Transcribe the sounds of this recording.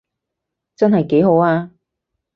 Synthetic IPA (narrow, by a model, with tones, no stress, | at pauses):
t͡sɐ˥nɦɐ˨jke˨˥jɦo˨˥waː˧